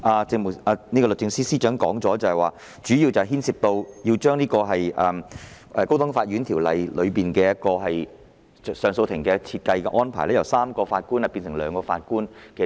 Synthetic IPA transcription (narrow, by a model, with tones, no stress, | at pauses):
ʔaː˧t͡sɪ˧ŋmʊ˨aː˨˧ni˥kɔ˧lɵ˨k̚t͡sɪ˧ŋsiː˥siː˥t͡ʃœː˨˥ŋkɔː˨˥ŋt͡sɔː˨˥t͡sɐ˨˩hɐ˨jwaː˨˩ | t͡ʃyː˨˥jiː˧wt͡sɐ˨hɦiː˥nsiː˧p̚t̪o˧wji˧wt͡ʃœː˥ŋniː˥kɔː˧ɦɐ˨jʔɐː˨˩m | ʔɛ˨˧ko˥wt̪ʊ˨˥ŋfaː˧t̚ɥyː˨˥nt̪ʰiː˨˩wlɐ̰˨jlɵ˨˧ɥpiː˨nkɛː˧jɐ˥t̚kɔː˧ɦɐ˨j | sœː˨˧ŋso˧wt̪ʰɪ˨˩ŋkɛː˧t͡sʰiː˧t̚kɐ˧jkɛː˧ʔɔː˥npʰaː˨˩jlɛː˥jɐ˨˩wsaː˥mkɔː˧faː˧t̚kuː˥nhɐ˨˩piː˧nsɪ˨˩ŋlœː˨˧ŋkɔː˧fa̰ː˧t̚kuː˥nkɛː˧